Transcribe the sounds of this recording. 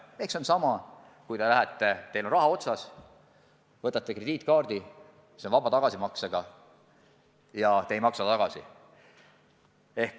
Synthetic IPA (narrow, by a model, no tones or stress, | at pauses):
ekso̞nsɑmɑ | kujt̪elæɦæt̪ːet̪e̞lonrɑɦɑo̞t̪sɑs | vɤt̪ːˑɑt̪ːˑekred̪iːt̪ːˑkɑːrd̪̥i | seonvɑb̥ɑt̪ɑɡ̥ɑsimɑkseɡ̥ɑ | jɑt̪ejmɑksɑt̪ɑɡ̥ɑsḭ | e̞hk